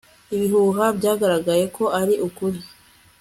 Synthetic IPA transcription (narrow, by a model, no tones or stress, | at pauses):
iβiɦuːɦabɟaːɡaɾaɡaje̞kʰo̞ʔaɾiʔukuɾi